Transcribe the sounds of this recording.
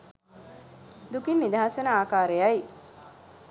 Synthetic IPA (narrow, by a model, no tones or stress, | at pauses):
d̪ukinːid̪ʱaːʃənəaːkaːɾejaj